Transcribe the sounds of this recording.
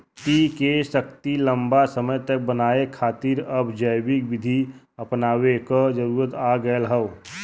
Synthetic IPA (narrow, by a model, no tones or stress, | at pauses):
t̪ikeʃək̚t̪ilə̃mbasəməjt̪ək̚bənaːekʰaːt̪iːɾɐbd͡ʒəbɪkʋɪd̪ʱi | ɐpnaːwekod͡ʒəɾuːɾət̪aːɡəjəlɦəʋ